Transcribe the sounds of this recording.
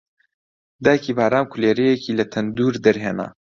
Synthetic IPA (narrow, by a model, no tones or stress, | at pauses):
d̪aːkiːbaːɾaːmkʰuleːɾejekʰiːlɐt̪ʰɐnd̪uːɾd̪ɐɾɦeːna̰